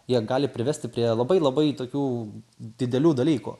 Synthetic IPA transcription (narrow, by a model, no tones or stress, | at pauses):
jiɛɡɑːlʲɪpʲɾʲɪʋɛsʲt̪ʲɪpʲɾʲiɛlˠɐbɐɪlˠɐbɐɪt̪oːkʲuːd̪ʲɪd̪ʲɛlʲuːd̪ɐlʲiːkṵ